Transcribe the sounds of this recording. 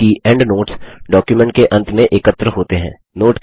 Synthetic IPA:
iɛ̃ːɳɖnoːʈsɖɔːkjumɛ̃ɳʈ̚keʔɐ̃nt̪mẽʔɪkət̪ːɾəɦoːt̪eɦɛ̰̃ː | noːʈ

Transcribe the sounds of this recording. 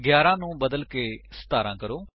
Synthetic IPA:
ɡjaːɾãːnũːbəd̪əlkeːsə̥t̪aːɾãːkəɾoː

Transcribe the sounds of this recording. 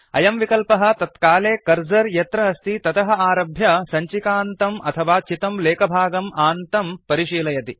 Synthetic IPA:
ɐ̰jɐmʋikɐlpɐɦɐ̆t̪ɐt̪kaːleːkɐɾd͡ʒɐɾjɐt̪ɾɐɦɐst̪ʰit̪ɐt̪ɐɦɐaːɾɐbʱjɐsɐɲt͡ʃikaːnt̪ɐmɐ̰t̪ʰɐʋaːt͡ʃit̪ɐmleːkɐbʱaːɡɐmaːnt̪ɐmpɐɾiʃiːlɐjɐt̪i

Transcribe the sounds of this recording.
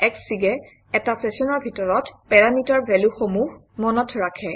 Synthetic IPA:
ɛksiɡɛ | ɛtapʰɹɛsɔnɔɹbʱitɔɹɔtpɛɹamitaɹbʱɛluxomuɦ | mɔnɔtʰɹakʰɛ

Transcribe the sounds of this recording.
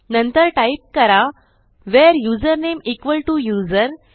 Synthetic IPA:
nə̃nt̪əɾʈaip̚kəɾa | ʋɛɾjuːzəɾnemikʋəlʈujuːzəɾ

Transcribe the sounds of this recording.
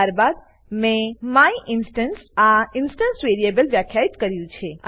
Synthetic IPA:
aɾbad̪ | mẽmaiʔɪnsʈənsaɪnsʈənsʋeɾiebəlʋjakʰjait̪kəɾjũt͡ʃʰe

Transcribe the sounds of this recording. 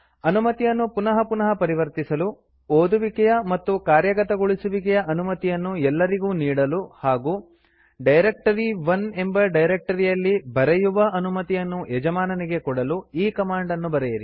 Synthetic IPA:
ɐnumɐt̪ijɐnːupunɐɦɐpunɐɦɐpɐɾiʋɐɾt̪isɐlu | oːd̪uʋikɛjɐmɐt̪ːukaːɾjɐɡɐt̪ɐɡoɭisuʋik̬ɛjɐʔɐnumɐt̪ijɐnːuɛlːɐɾiɡuːniːɽɐluhaːɡuː | ɖɐjɾek̚ʈɐɾiʋɐne̞mbɐɖɐjɾek̚ʈɐɾijɐlːibɐɾejuʋɐʔɐnumɐt̪ijɐnːuɛd͡ʒɐmaːnɐniɡe̞kɔɽɐluiːkɐmaːɳɖɐnːubɐɾɛjɐɾḭ

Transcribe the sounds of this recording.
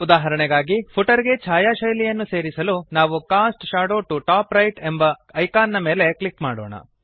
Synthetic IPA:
ud̪aːɦɐɾɐɳɛɡaːɡipʰuʈɐɾiɡe̞t͡ʃʰaːjaːʃɐjlijɐnːuse̞ːɾisɐlunaːʋukaːsʈʃaːɽoːʈuʈaːpɾɐjʈembɐɐjkaːnːɐme̞ːle̞klikmaːɽoːɳɐ̰

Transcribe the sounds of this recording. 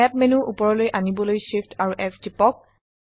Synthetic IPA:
ɛp̚menuʔupɔɹɔlojʔanibɔlojʃiftʰaɹuʔɛfdipɔk̚

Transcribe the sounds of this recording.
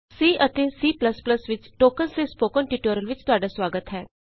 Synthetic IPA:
ssiːʔət̪eːsiːpləspləsʋɪt͡ʃʈoːkənseːspoːkənʈɪʈoːɾəlʋɪt͡ʃt̪ʊaːɖaːswaːɡət̪ɦɛː

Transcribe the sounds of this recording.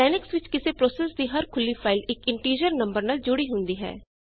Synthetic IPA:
ɛːnɪksʋɪt͡ʃkɪseːpɾoːsɛːsd̪iːɦəɾkʰʊlːiːpʰaːɪlɪkɪɳʈiːɾjəɾnə̃mbəɾnaːld͡ʒʊɽiːɦʊnd̪iːɦɛ̰ː

